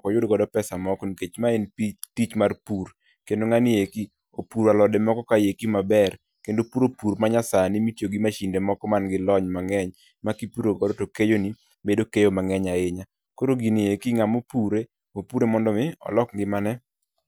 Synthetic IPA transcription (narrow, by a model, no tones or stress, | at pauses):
kɔjʊdɡɔdɔpɛsamɔkɔniket͡ʃmaenitit͡ʃmarpur | kendoŋanɪeki | opuɾalɔdɛmɔkɔkajekimabɛr | kendopuɾopuɾmaɲasanimitjoɡimaʃindemɔkɔmanɡɪlɔɲmaŋɛɲ | makipuɾoɡɔdɔtokejoni | medokejomaŋɛɲaeɲa | koɾoɡinɪekiŋamopuɾe | mopuɾemɔndɔmɪɔ̰lɔkɡɪmanɛ